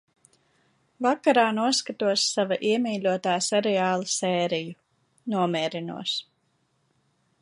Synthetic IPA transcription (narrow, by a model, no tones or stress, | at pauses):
vakaɾaːnuɔskat̪uɔsːavaʔiɛmiːlʲuɔt̪aːsɛɾɛaːlˠɨsɛːɾiju | nuɔmʲɛːɾinṵɔs